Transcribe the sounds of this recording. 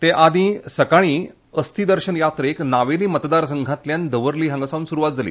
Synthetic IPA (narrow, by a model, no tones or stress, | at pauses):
t̪eʔad̪ʱĩsəkaɽ̃iː | əst̪id̪əɾɕənjat̪ɾəeknaʋeliːmət̪d̪aɾsəŋɡʱãt̪ljand̪əʋəɾliːɦãŋɡsaʋuːnsuɾuʋat̪̚d͡zʱalḭː